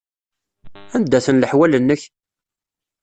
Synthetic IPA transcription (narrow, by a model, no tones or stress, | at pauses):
ænd̪ːæθənləħwælənːəç